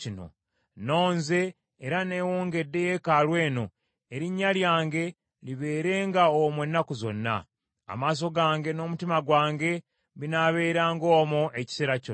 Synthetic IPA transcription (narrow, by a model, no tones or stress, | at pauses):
ino̞̰ | no̞ːnze̞ː | ɾane̞ːwoːŋɡe̞dːe̞je̞kalwe̞ːno̞ | eɾiɲːaljaːŋɡe̞ | liβe̞ːɾe̞ːŋɡaomwenːakuzo̞̰nːa̰ː | maːs̬o̞ɡaːŋɡe̞no̞ːmutimaɡwaːŋɡe̞ | βinaβe̞ːɾaːŋɡo̞ːmoʔe̞ci̥seɾaco